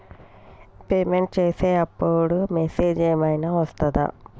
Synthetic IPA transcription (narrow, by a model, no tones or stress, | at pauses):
peːmeɳʈt͡ʃeːseːɐpːoɽumeseːd͡ʒeːmɐjnɐʋɐst̪ɐd̪ɐ̰